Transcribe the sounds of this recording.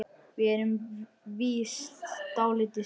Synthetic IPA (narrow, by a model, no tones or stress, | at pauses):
vɪɛɾʏm | viːst̪t̪aːwlɪt̪ɪ